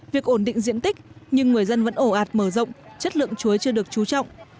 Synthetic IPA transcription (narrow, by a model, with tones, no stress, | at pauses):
vi˨˩ək̚ʔo˧˩nɗḭ˧˨ŋzḭ˧˨ənt̪i˦˥k̚ɲɨ˧ŋːɨ˨˩əjzə˧nvə̰˧˥nʔo˧˩ʔaː˨˩t̚məː˧˩zə̰˧˨wŋ͡mt͡ɕə˦˥t̚lɨ̰˧˨əŋt͡ɕu˨˦əjt͡ɕɨ˧əɗɨ˨˩ək̚t͡ɕu˨˦t͡ɕɔ̰˧˨wŋ͡mʔ